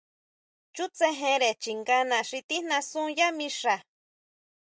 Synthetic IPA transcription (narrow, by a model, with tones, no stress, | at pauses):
t͡ʃu˦t͡se˦ɦẽ˧ɾe˨t͡ʃi˨ŋɡa˦nã˨ʂi˧t̪i˦nã˧sũ˦ja˦mĩ˧ʂa˨